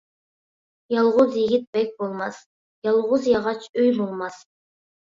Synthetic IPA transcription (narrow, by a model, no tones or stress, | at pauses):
jɑlˠʁʊzjiɡʲit̪̚bɛk̚ʲbolˠmɑs | jɑlˠʁʊzjɑʁɑt͡ʃʰøjbolˠmɑs